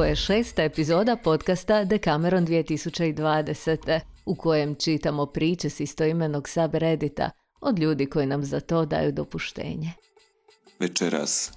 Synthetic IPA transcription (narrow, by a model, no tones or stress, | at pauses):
ojeʃe̞ːst̪aepizo̞ːd̪apo̞t̪kast̪ad̪ekame̞ɾo̞nd̪ʋijet̪isut͡ɕeid̪ʋaːd̪eset̪e̞uko̞je̞mt͡ʃit̪amo̞pɾiːt͡ɕesist̪oimeno̞ɡsabɾe̞d̪it̪a̰ | o̞d̪lʎuːd̪iko̞jinamzat̪o̞ːd̪a̰ːjud̪o̞puʃt̪ḛːɲe | ʋet͡ʃeɾa̰s